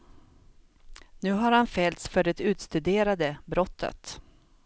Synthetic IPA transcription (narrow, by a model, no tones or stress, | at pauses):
nʉ̟ːɦaɾhanfɛlt̪sfœɖɛt̪ʉ̟ːt̪st̪ʉd̪eːɾad̪əbɾɔt̪ʰːə̰t̪